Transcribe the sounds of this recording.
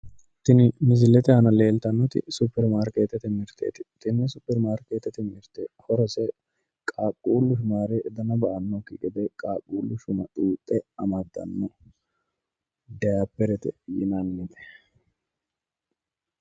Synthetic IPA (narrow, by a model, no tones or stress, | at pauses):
t̪ːɪnɪmɪzɪlɛt̪ɛhɐnɐle̞ːlt̪ɐnːɔt̪ɪ̰supːɛɾmaːɾkeːt̪ːɛt̪ɛmɪɾt̪ʰḛːt̪ɪ̥t̪ɪnːɛsʊpːɛɾmaːɾkeːt̪ːɛt̪ɛmɪɾt̪ɛhɔɾɔsɛ | kʼaːkʼːuːlːʊʃʊnaːɾɛd̪ɐnɐbɐʔɐnːɔkːɪɡɛd̪ɛkʼaːkʼːuːlːʊʃʊnɐt̪ʼuːt̪ʼːɛɐmɐd̪ːɐ̰nːɔ | d̪ɐjapːɛɾɛt̪ɛ̰jɪ̰nɐnːɪt̪ɛ̥